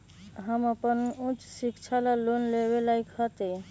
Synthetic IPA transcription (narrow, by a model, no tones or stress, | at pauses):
ɦəməpənũt͡ʃsikt͡ʃʰalalonleβelajkhət̪ɛ